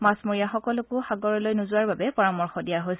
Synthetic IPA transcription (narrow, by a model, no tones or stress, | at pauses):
masmoɹijaxɔkɔlʊkʊxaɡɔɹɔlojnʊzʊaɹbabɛpɔɹamɔɹxɔdijaɦojs